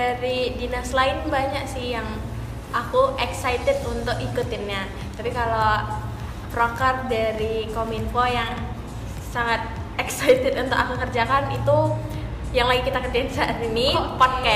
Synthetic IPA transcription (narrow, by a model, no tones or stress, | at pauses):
daɾidinaslaɪnbaɲak̚sɪhjaŋ | ʔakuʔɛksajt̪ɛd̪unt̪ʊkikut̪ɪnɲa | t̪apikalo | prokərdaɾikominfojaŋ | saŋat̪̚ | ɛksajt̪ɛt̪unt̪ʊkakukərd͡ʒakanit̪u | jaŋlaɡikit̪akərd͡ʒaɪnsat̪inipɔt̪̚ka